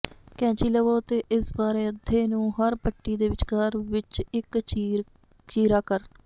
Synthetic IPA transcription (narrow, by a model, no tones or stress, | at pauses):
kɛ̃ːt͡ʃiːləʋoːt̪eːʔɪsbaːɾeːəd̪ʱeːnũːɦəɾpəʈːiːd̪eːʋɪt͡ʃkaːɾʋɪt͡ʃɪkt͡ʃː | t͡ʃiːɾaːkəɾ